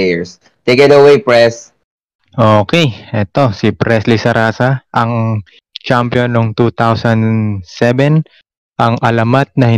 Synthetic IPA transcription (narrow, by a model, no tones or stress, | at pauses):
jɛɹs | t̪ekɛt̪ɐwejpɹɛs | ʔoːkɛjʔɛt̪o̞sipɾɛslɪsɐɾʔaːsɐʔɐŋ | t͡ʃampjonːoŋt̪uːt̪awsɐnd̪sɛbɛn | ʔɐŋʔɐlɐmat̪̚nɐhɪ